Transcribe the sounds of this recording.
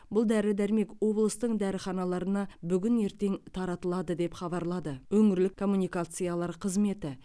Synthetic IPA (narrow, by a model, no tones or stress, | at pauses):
bʊlˠd̪æɾɪd̪æɾme̞kwo̞blˠəst̪əɴd̪æɾəχɑnɑlˠɑɾənɑbʏɡʲɪne̞ɾt̪e̞ŋt̪ʰɑɾɑt̪əlˠɑd̪əd̪e̞pχɑbɑɾlˠɑd̪əwɵŋɪɾlɪkkʰːo̞mːunijkat̪sɨjalˠɑɾqʰəzme̞t̪ɪ